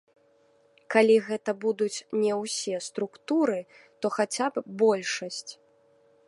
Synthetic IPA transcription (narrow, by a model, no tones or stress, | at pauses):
kalʲiɣɛt̪ɐbud̪ut͡sʲnʲɛwsʲɛst̪ɾukt̪uɾɨ | t̪ɔxat͡sʲabbɔlʲʂɐsʲt͡sʲ